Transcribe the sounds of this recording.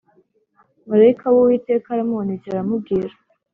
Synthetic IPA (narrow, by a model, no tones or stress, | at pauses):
muɾajikawowiːte̞ːkaɾamuonizaɾamubɡiɾa